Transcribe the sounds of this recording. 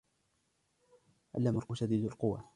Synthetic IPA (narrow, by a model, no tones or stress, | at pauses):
ʔalːamʊɾkuʃad̪iːd̪alqʊwːa̰